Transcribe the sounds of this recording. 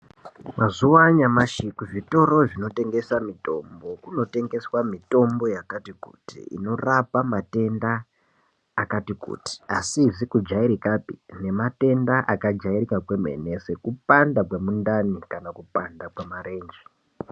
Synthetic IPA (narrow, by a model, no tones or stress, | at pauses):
mʔazuwaɲamaʃikuʐito̞ɾo̞ʐino̞te̞ŋɡe̞samito̞mbo̞kuno̞te̞ŋɡe̞swamito̞mbo̞jakatikṵtḭḭno̞rapamate̞ndaː | katikṵːti̥asizikud͡ʒaiɾikapine̞mate̞ndaʔakad͡ʒaiɾikakwemḛne̞se̞kupandakwemundanikanakupandakwemareːnd͡ʒi